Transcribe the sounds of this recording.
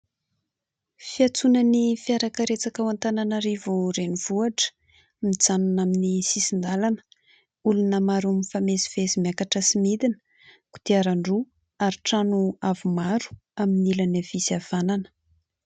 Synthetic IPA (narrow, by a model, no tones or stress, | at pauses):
fiat͡sunanifiaɾakəɾet͡sakawant̪ananaɾivuɾeniv̥uaʈ͡ʂə̥ | mid͡zanunaminisisind̪alanə̥ | ulunəmaɾumifameziv̥ezimjakaʈ͡ʂəsimid̪inə̥ | ku̥t̪iaɾaɳɖ͡ʐu | aɾiʈ͡ʂanuavumaɾu̥aminilanav̥isav̥ananə̥